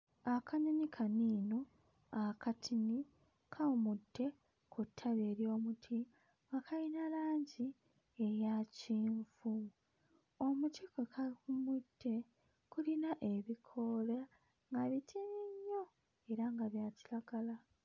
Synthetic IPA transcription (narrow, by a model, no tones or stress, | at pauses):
akʰaɲoɲikʰaniːno | akatʰini | kʰaumudːe̞ | kʰutʰːaβeːɾjo̞ːmutʰi | ŋɡakajinalaːɲɟi | ejaciːɱvu | omutikokakumud̥ːe̞ | kulinaʔe̞βikʰo̞la | ŋɡaβitʰiniɲːo̞ | e̞ɾaŋɡaβjaːcilaɡala